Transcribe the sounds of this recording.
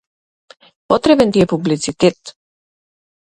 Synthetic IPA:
pɔt̪ɾɛbɛnt̪iɛpublit̪sit̪ɛt̪

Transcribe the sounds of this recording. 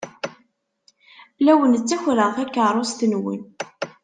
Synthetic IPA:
læwənt͡sːæçɾəθækːəɾˤost̪nwḭn

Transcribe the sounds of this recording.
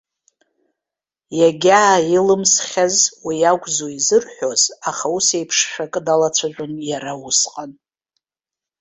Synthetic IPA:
jaɡʲaːjilɨmsχʲazwijaɡʷʼzoizɨrħʷᶣo̞zaχause̞jpʰʂʃᶣakʼdalat͡sʷʰaʒʷʊnjaɾawusqʼan

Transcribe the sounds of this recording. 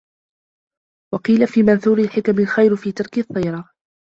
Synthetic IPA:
wɑqiːlafiːmanθuːɾɪlħɪkamɪlxajɾfiːt̪ɑɾˤkɪʔθːɑjɾˤɑ

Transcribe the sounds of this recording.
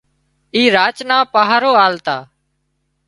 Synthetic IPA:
iːɾaːt͡ʃnãːpaːɦaːɾoːaːlt̪aː

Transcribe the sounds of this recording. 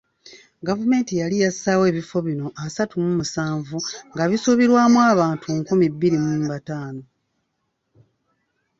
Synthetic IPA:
ɡavume̞ːntijalijasaːwe̞ːβifo̞βino̞ʔasatumumusaːɱvuŋɡaβisuβiɾwaːmwaːβaːntʰuŋkumibːiɾimumbataːno̞

